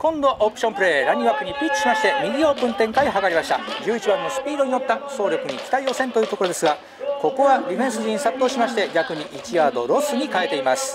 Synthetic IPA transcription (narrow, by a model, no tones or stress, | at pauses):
kõ̞nd̪o̞ʔopɯ̥ɕo̞mpɯ̟ɾe̞ːɾaɲ̟iβapːɯ̟ɲ̟ipʲit͡ɕːi̥ɕimaɕi̥t̪e̞mʲiɡʲio̞ːpɯ̃nt̪ẽ̞ŋkaiɦakaɾʲimaɕi̥t̪a̰d͡ʑɨːit͡ɕibãnːo̞sɨ̥pʲiːd̪o̞ɲ̟ino̞t̪ːaso̞ːɾʲokɯ̟ɲ̟ikʲi̥t̪aio̞ːsent̪o̞jɯːt̪o̞koɾo̞d̪e̞sɨɡa | ko̞ko̞βaɾʲiɸẽsɨʑĩsat̪ːo̞ɕimaɕi̥t̪e̞ɡʲakɯ̟ɲ̟iʔit͡ɕiaːd̪o̞̰ɾo̞sɨɲ̟ikae̞t̪e̞imasɨ̥